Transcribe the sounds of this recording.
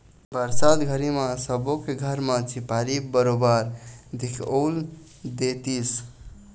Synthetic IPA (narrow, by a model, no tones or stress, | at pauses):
bəɾsad̪ɡʱəɾimãsəbokeɡʱəɾmãt͡ʃipaɾibəɾobaɾd̪ʱikʰol | d̪et̪is